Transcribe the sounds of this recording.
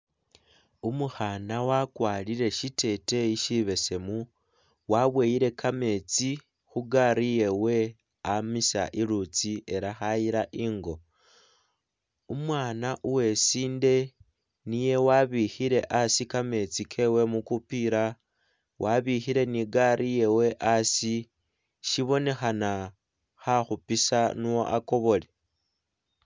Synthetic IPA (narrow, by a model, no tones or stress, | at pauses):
umuxaːnawakwaːliɾe̞ʃite̞te̞iʃiβe̞se̞mu | waβwejiɾe̞kʰame̞t͡si | xuɡaɾije̞we̞ | amisa̰ʔiɾut͡siʔe̞ɾaxajiɾaʔiːŋɡo̞ | umwaːnaʔuwe̞siːnde̞ | nije̞waβixiɾe̞ʔasikame̞t͡sikʰe̞we̞mukupiɾa | wʔaβixiɾe̞niɡaɾʔije̞we̞ʔasi | ʃiβo̞ne̞xana | xaxupisanuoʔako̞βo̞le̞